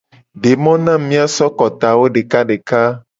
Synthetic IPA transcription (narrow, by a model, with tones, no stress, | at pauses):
ɖe˨mɔ̃˦nã˦mĩ˦a˨sɔ˦kɔ˨t̪a˨wo˦ɖe˨ka˦ɖe˨ka˦